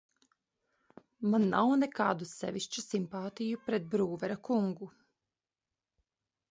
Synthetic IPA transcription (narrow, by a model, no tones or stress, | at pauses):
manːawnɛkaːd̪usɛ̰ʋiʃt͡ʃusimpaːt̪ijupɾɛt̪̚bɾuːʋɛɾakuŋɡu